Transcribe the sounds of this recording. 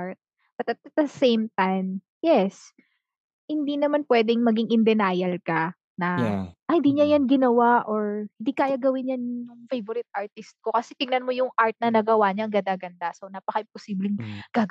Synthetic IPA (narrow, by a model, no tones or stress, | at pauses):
aɹt̪̚ | bɐt̪ɐt̪̚t̪̚d̪ɐsejmt̪ajm | jɛs | hɪnd̪iːnɐmanpwɛːd̪ɪŋmɐɡiŋɪnd̪ɛnaːjɐlkɐ | nɐhɪnd̪iːɲɐjanɡɪnɐwaʔoɹhɪ̃nd̪iːkaːjɐɡɐwɪnjanjjʊŋfejvoɾɪt̪̚ʔaɹt̪ɪst̪̚ko̞kɐsɛt̪ɪŋnɐnmo̞jʊŋʔaɹt̪̚nɐnɐɡɐwaɲɐɐŋɡɐd̪aːɡɐnd̪asonaːpɐkɐʔɪmposiːblɪŋɡ̥aːɡ